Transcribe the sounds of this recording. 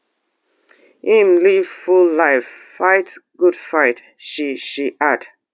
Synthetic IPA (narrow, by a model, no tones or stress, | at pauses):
hĩmliv̥fullaɪfːaɪtɡ̥ud̥faɪt | ʃiʃiʔad̥